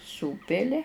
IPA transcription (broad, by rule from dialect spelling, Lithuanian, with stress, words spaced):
ˈsuːpʲɪlʲɪ